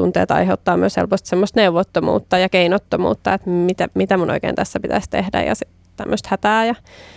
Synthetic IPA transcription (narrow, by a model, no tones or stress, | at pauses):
unt̪ḛːt̪ɑ̰iheut̪ːɑːmyøshḛlpost̪semːost̪neuʋot̪ːomṵːt̪ːɑjɑkeinot̪ːomṵːt̪ːɑet̪mit̪æmit̪æmunʔo̰ikḛːnt̪æsːæpit̪æ̰sʲt̪ḛhdæ̰jɑ̰si | t̪æmːøst̪hæt̪æːjɑ